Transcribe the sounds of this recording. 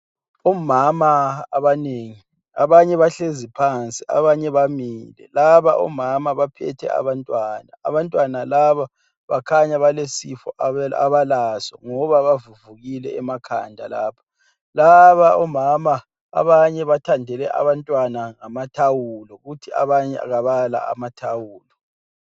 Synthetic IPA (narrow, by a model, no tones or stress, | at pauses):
ɔmamaːβaneŋi | a̰βaɲɛβaɬezipʰant͡sʼiʔa̰βaɲɛβamiːlɛ̰laβaʔɔ̰mamaβapʰɛ̰tʰɛ̰a̰βantʼwana̰ːβantʼwanalaβa | βakʰaɲaβalesifɔ̰a̰βalasɔ̰ŋɔβaβavuvuɣilɛɛmakʰa̰ndʱa̰laːpʰḁ | laβaɔmama̰ː | βaɲɛβatʰandʱɛlɛʔa̰βantʼwanaŋamatʰawulɔɣutʰia̰βaɲɛ̰a̰ɣaβala̰a̰matʰawuːlɔ